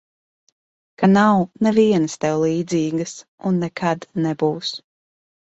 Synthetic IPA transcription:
kanawnɛviɛnəst̪ɛwlˠiːd̪ziːɡəsunːɛkʰad̪nɛbuːs

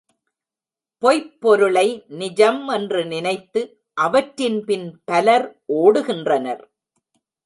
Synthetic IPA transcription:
pɔɪpːɔɾɯɭɐɪnɪd͡ʒɐmɛndrɯnɪnɐɪt̪ːɯ | ʔɐʋɐʈɾɪnpɪnpɐlɐɾʔoːɽɯɣɪndrɐnɐ̰ɾ

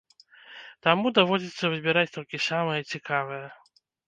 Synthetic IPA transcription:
t̪amud̪avɔd͡zʲit̪sːɐvɨbʲiɾat͡sʲt̪ɔlʲkʲisamɐjɐt͡sʲikʰavɐjɐ

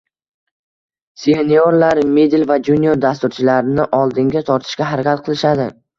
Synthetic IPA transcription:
seenijoɾlaɾmed̪ɪlvad͡ʒunioɾd̪as̬t̪ʊɾt͡ʃʰɪlaɾɪnɪʔɒlˠd̪ɪŋɡʲat̪ʰɒɾt̪ʰɪ̥ʃkʲaɦaɾakʲat̪̚qʰɨlˠɪʃad̪ɪ

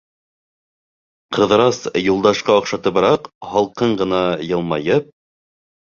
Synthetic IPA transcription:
qʰɤ̆ðɤ̆ɾɑsjulˠd̪ɑʃqɑŏqʃɑt̪ɤbɑɾɑqhɑlˠqɤɴɢɤ̆nɑjɤ̆lˠmɑjɤp̚

